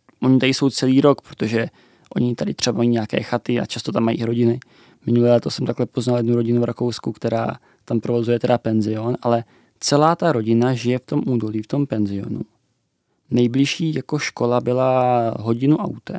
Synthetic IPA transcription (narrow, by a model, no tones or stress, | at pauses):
ʔo̞ɲɪt̪adɪso̞wt͡sɛliːɾo̞kpɾo̥t̪o̞ʒɛ | ʔo̞̰ɲɪt̪adɪt̪r̝̥ɛbamajiːɲakɛ̰ːxat̪ɪa̰t͡ʃast̪o̞t̪amːaḭːʔɪɾo̞ɟɪnɪ | mɪnulɛːlɛt̪o̞sɛmt̪aklɛpo̞znaljɛd̪nuɾo̞ɟɪnuvɾako̞wskukt̪ɛɾa̰ː | t̪ampɾovo̞zujɛt̪ɛdapɛnzɪo̞nʔalɛ | t͡sɛlaːt̪aɾo̞ɟɪnaʒɪjɛft̪o̞mʔuːdo̞liːft̪o̞mpɛnzɪo̞̰nṵ | nɛjblɪʃiːjako̞ʃko̞labɪlaɦo̞ɟɪnuʔa̰wt̪ɛ̰